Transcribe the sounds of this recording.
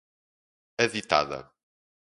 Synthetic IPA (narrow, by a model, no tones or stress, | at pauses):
ɐðit̪a̰ðɐ̰